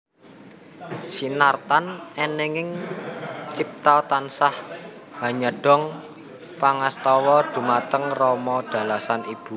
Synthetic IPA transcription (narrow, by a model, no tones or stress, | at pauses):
sinart̪anɛneŋɪŋ | t͡ʃip̚t̪at̪ansah | ha̤ɲəɖ̥ɔ̤ŋ | paŋast̪ɔwɔd̪̥ṳmat̪əŋrɔmɔɖ̥a̤lasanib̥ṳ